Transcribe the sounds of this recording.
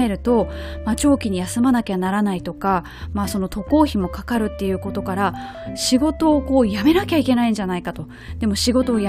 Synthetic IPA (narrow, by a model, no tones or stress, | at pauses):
e̞ɾɯ̟t̪o̞mat͡ɕo̞ːkʲiɲ̟ijasɨmanakʲeanaɾanait̪o̞ka | maːso̞no̞t̪ʰo̞ko̞ːçimo̞kakaɾɯ̟t̪ːe̞jɯ̟ːko̞t̪o̞kaɾa | ɕiɡo̞t̪o̞ːko̞ːjame̞nakʲaike̞naĩɲd͡ʑanaikat̪o̞ | d̪̥e̞mo̞ɕiɡo̞t̪o̞ːja